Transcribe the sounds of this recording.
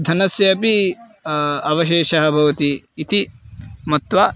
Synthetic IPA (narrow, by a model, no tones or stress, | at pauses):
d̪ʱɐnɐsjɐɐpi | ɐʋɐʃeːʃɐɦɐbʱɐʋɐt̪iː | t̪imɐt̪ʋɐ